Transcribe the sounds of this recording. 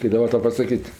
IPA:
kɐɪp dɐˈbɐ ˈtɐʊ pɐsɐˈkʲiːtʲ

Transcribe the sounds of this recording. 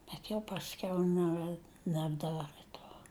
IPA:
bʲɛt jɛʊ pɐsʲˈkʲɛʊ ˈnʲɛ nʲɛbˈdɑːrɘ ˈtoː

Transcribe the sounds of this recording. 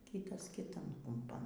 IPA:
ˈkʲiːtɐs kʲɪˈtɐn kʊmˈpɐn

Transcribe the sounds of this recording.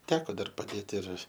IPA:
ˈtʲæːkoː ˈdɐr pɐˈdʲeːt ɪr

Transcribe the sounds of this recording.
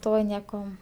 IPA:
ˈtoː ˈnʲiɛkoː

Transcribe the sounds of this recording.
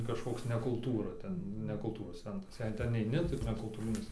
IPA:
kɐʃˈkoːks nʲɛ kʊlˠˈtuːrɐ ˈtʲɛn nʲɛ kʊlˠˈtuːroːs ˈt͡sʲɛntrɐs ˈjɛɪ tʲɛn ɛɪˈnʲɪ tɐɪ nʲɛkʊlˠˈtuːrʲɪnʲɪs

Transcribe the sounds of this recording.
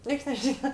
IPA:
ˈnʲiɛks nʲɛˈʒʲiːnɐ

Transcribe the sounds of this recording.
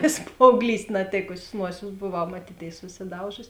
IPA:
ʋʲeːs pɐɐʊɡˈlʲiːsʲtʲ nɐˈtʲeːkʊsʲeːs ˈnuɔsʲeːs boːˈʋɐʊ mɐˈtʲiːtʲeːɪs sʊsʲɪˈdɐʊʒʊsʲɪ

